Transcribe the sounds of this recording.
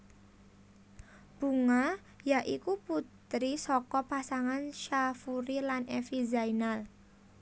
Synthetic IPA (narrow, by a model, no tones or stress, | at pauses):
b̥ṳŋa | jaʔikuput̪ɾisɔkɔpasaŋanʃafuɾilanʔɛfizainal